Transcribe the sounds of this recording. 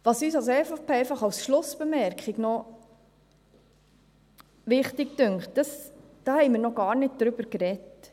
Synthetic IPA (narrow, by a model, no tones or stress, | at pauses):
ʋɑsyːsɑlsɛfpɛɪfɑχɑwsʃlʊsb̥əmɛɾkχiɡnɔ | ʋɪχtɪktøŋkχtd̥ɑs | d̥ɑːhɛɪmɪːɾnɔɡ̥ɑːɾnɪt̚d̥̪ɾʏb̥əɾkɾɛt